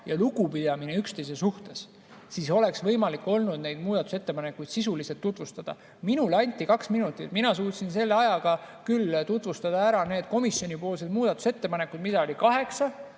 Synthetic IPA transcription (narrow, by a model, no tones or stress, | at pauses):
jɑluɡupid̪̥ɑmine̞ykst̪e̞js̬esuht̪e̞s | siːso̞le̞ksvɤ̞jmɑlikːˑo̞lnud̪ne̞jd̪muːd̪̥ɑt̪ːˑu̥se̞t̪ːe̞pɑne̞kːˑujd̪̥sisuliset̪ːut̪vust̪ɑd̪̥ɑ̰ | minulɑnʲt̪ʲːˑikɑksminut̪ːˑit̪minɑsuːt̪sinse̞lːeɑjɑɡ̥ɑkylt̪ut̪ˑvust̪ɑd̪̥ɑæɾɑne̞ːd̪̥̚ko̞misjo̞nʲipo̞ːlsed̪muːd̪̥ɑt̪ːˑu̥se̞t̪ːe̞pɑne̞kːˑud̪̥mid̪̥ɑolʲikɑɦe̞ksɑ